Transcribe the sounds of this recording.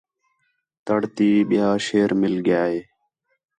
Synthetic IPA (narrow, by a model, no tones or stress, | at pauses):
t̪əɽt̪iːɓɪjaːʃeːɾmɪlɡɪjaːɦeː